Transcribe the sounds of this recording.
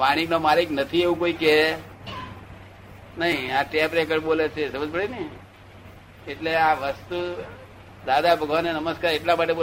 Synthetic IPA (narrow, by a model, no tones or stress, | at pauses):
ʋaɽ̃iknomaliknət̪ʰieʋũkoike | nəɦĩaʈepɾekəɾɓolet͡ʃʰesəməd͡ʒbəɽenəi | eʈleaʋəst̪u | d̪ad̪abʱəɡʱʋanenəməskaɾeʈlamaʈeɓo